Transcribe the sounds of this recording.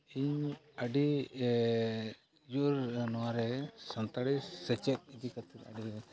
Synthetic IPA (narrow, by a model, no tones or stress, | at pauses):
iɲəɖi | juɾnɔwaɾɛsənt̪aɽisɛt͡ʃɛt̪̚id͡ʒ̪ikat̪ʰiɾa̰ɖiɾɛ